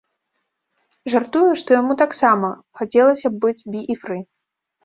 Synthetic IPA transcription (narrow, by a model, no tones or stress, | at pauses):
ʐart̪ujuʂt̪ɔjamut̪aksamɐ | xat͡sʲɛlˠɐsʲɐbɨd͡zʲbʲiʔifɾɨ